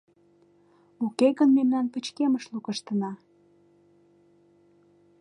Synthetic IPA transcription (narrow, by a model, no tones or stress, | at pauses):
ukeɣənmemnɑnpət͡ɕkeməʃlukəʃt̪ənɑ